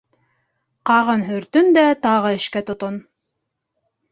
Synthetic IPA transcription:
qɑʁɤnɦɵ̆ɾt̪ɵnd̪æt̪ɑʁɤɘ̆ʃkæt̪ŏt̪on

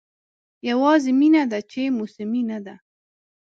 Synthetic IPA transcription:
jawɑzɪminad̪at͡ʃemusɪminad̪a

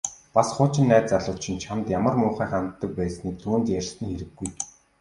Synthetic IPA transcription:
pasχʊːt͡ɕɪ̆nːæːt͡saɮʊːt̪t͡ɕʰĭnt͡ɕʰamt̪jamə̆rmʊːχæːχant̪ːə̆k̚pæːsniːk̚t̪ʰuːnt̪jærʲst̪ɘ̆ŋxeɾɘ̆ɡːuj

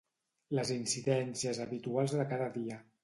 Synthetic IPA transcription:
ləzinsiðɛnsiəzəβit̪ualˠzðəkaðəðiə

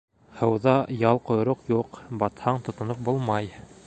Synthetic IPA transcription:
hɤ̆wðɑjɑlˠqŏjɾoqjuqbɑt̪hɑɴt̪ŏt̪ŏnop̚bulˠmɑj

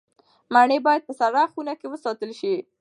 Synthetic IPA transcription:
maɳəbɑjad̪̚pəsaɽaxunakewəsɑt̪əlʃi

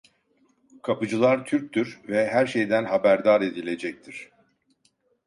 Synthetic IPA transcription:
kʰapɯd͡ʒɯlˠaɾt̪ʰyɾc̚ʲt̪yɾvɛɦæɾʃe̞jd̪ænɦabæɾd̪aɾe̞d̪ilʲe̞d͡ʒɛc̚t̪ʰiɾ̥

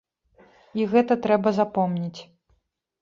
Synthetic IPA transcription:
iɣɛt̪ɐt̪ɾɛbɐzapɔmnʲit͡sʲ

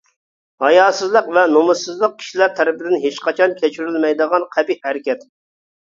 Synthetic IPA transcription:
hɑjɑːsɨzlˠəqvɛnomɨsɨzlˠəq̚kʲʰi̥ʃilæɾt̪ʰɛɾɪpɪd̪ɪnɦet͡ʃqɑt͡ʃʰɑnkʲʰɛt͡ʃʰyɾylmɛjd̪əʁɑnqʰæbihæɾɪkʲɛt̪

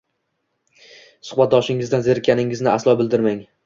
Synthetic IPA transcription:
sʊ̥χbat̪̚d̪ɒʃɪŋɪzd̪anzeɾkʲʰanɪŋɪznɪaslˠɒbɪld̪ɪɾmaŋ

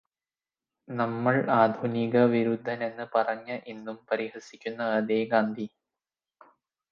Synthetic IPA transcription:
nɐmːɐɭaːd̪ʱuniɣɐʋiɾud̪ʱːɐne̞nːɨpɐrɐɲːɐʔenːumpɐɾihɐsikʲːunːɐɐðeːɡaːnd̪ʱi

